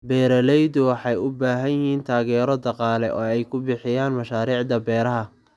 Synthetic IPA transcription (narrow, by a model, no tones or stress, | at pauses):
bɛːɾɐlɛjd̪ʊwɑħɑjʊbaːɦɐnjɪhiːnt̪ʰaːɣɛːɾɔd̪ɑqɑːlɛ̰ʔɔːɛjkʰʊbɪħɪjaːnmɐʃaːɾiːʕd̪ɐbɛːɾɐɦɐ